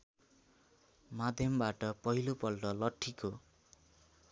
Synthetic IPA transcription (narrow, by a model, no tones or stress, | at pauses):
mad̪ʱjʌmbaʈʌpʌɦilopʌlʈʌlʌʈʰːiko